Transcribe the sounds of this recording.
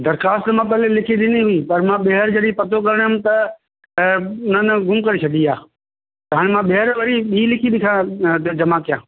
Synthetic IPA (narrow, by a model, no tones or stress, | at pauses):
d̪ɐɾxaːst̪mãːp̬ɛːlelɪkʰiɗ̪ɪniɦʊipɐɾmãɓeɦəɾd͡ʑɐɗĩpɐt̪ʰokɐɾəɽ̃ɦʊmt̪ɐ | nənɡʱʊmkɐɾet͡ʃʰɐd̪iaː | t̪ɐɦaːɽ̃emãɓeɦɾʋɐɾiɓiːlɪkʰiɗɪkʰãt̪d͡ʒɐmãkijãː